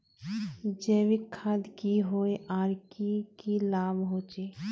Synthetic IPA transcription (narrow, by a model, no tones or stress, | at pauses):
d͡ʒɛːʋikʰːaːd̪kiɦoeʔaːɾkikilaːbɦoːt͡ʃe